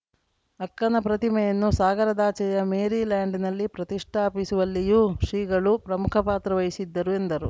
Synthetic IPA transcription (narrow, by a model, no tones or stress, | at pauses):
ɐkːɐnɐpɾɐt̪imɛjɐnːusaːɡɐɾɐd̪aːt͡ʃɛjɐmeːɾiːlaːɳɖinɐlːipɾɐt̪iʂʈʰaːpisuʋɐlːijuːʂɾiːɡɐɭupɾɐmukʰɐpaːt̪ɾɐʋɐjisid̪ːɐɾue̞nd̪ɐɾṵ